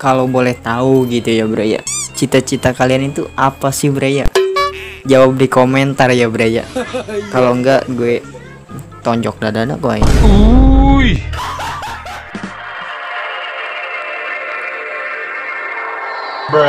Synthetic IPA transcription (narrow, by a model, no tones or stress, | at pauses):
kalobolɛht̪auɡit̪ujabəɾaja̰t͡ʃit̪at͡ʃit̪akalianit̪uʔapasɪhbəɾaja̰ | d͡ʒawap̚dikomɛnt̪arjabəɾaja̰kaloəŋɡaʔɡuɛ | t̪ɔɲd͡ʒɔk̚dadanakoajauj